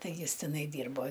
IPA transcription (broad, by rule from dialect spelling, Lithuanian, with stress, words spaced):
ˈtɐɪ ˈjɪs tʲɛˈnɐɪ ˈdʲiːrboː